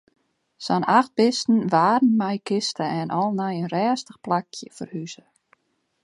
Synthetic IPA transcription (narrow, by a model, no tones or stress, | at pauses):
sɔnaxt̚bɪstn̩ʋaːdn̩mɛjkʰɪstəɛnʔɔlˠnɛjənrɛːstəxplakʰjəfərhyzə